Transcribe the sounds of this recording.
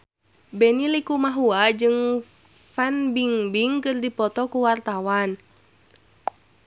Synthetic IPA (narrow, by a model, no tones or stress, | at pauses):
bɛnilikumaɦuad͡ʒɨŋ | fɛnbiŋbiŋkɨrdipɔt̪ɔkuwart̪awan